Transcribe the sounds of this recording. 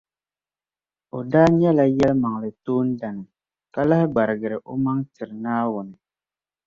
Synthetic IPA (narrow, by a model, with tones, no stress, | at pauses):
o˨daː˦ɲɛ˦la˦jɛ˦lma˨ŋ˨ɾɨ˨toː˦n̩˦da˨nɨ˨ | ka˦la˦hɪ˦ɡ͡ba˨ɾɨ˨ɡɨ˨ɾɨ˨ʔo˦ma˦ŋtɪ˨ɾɨ˨naː˦wʊ˨nɨ˨